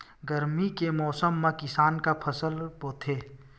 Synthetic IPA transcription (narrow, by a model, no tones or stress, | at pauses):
ɡəɾmikemɔːsəmːẽkɪsaːnkapʰəsəlpoːt̪ʰeː